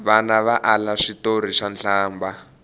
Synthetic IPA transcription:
βanaβaʔalaʂitoɾ̤iʂanɬʰaːmba

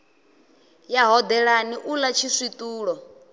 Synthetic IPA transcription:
jaɦɔd̪ɛɺaniʔulat͡ʃʰiʂit̪ʼuːɺɔ

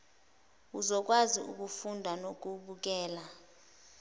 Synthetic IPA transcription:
uzɔk̬waziṵk̬ufundʱanok̬ʼuɓuk̬ʼɛːla

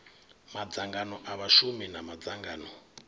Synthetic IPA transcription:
mad͡zaŋɡanɔʔaβaʃuminamad͡zaŋɡaːnɔ

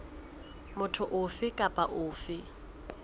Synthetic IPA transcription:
mʊtʰʊʔʊfɪkʼapʼaʔʊːfɪ

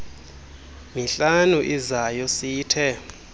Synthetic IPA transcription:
miɬanuʔizajɔsiːtʰɛ

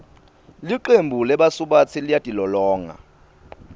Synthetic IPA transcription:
liǃembʱulɛɓasuɓat͡sʰilijatʼilɔlɔːŋa̰

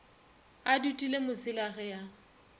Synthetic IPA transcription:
adutʼilemʊsɪlaɣɛja

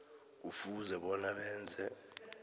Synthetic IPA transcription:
ufuzɛɓɔnaɓɛːnd͡zʱɛ

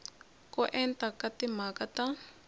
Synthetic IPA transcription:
kɔʔɛntakatimakata

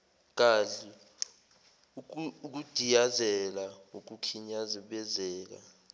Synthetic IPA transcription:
k̬aɬi | k̬ud̥ʱijazɛlauk̬ukʰiɲaziɓɛzɛːk̬a̰

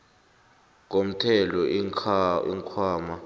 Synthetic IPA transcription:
k̬om̩tʰɛlɔ | ḭŋkʰwaːma

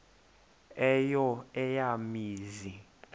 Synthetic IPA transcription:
ɛjɔɛjamiːzi

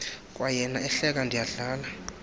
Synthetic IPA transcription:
kʼwajɛnaɛɬɛk̬ʼandʱijaɮaːla

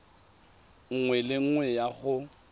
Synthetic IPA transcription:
ŋ̩ŋwɛlɪŋ̩ŋwɛjaɣʊ

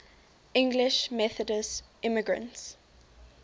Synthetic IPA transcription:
ʔɪ̃ŋɡlɪʃmɛθədəsʔɪməɡɹə̰̃nts

